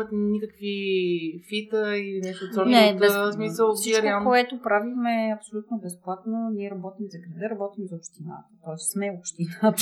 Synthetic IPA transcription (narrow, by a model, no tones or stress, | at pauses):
ət̪nikəkvi | fit̪əilinɛʃt̪osɔɾnɛb̪t̪ɛsmisəlˠsit͡ʃɾɛkalˠkoɛt̪opɾavixmɛɐpsolʲut̪nobɛsplˠat̪noniɛɾɐbɔt̪imzɐɡɾilɛɾɐbɔt̪imzopʃt̪ina̰t̪ə̥t̪ɔɛsːmɛopʃt̪ina